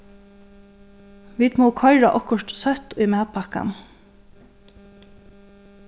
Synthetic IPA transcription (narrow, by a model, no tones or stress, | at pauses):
ʋiːd̪moːkʰɔɪɹaʔɔkʊʃt̪sœt̪ʊjmæːt̪̚pʰaka̰n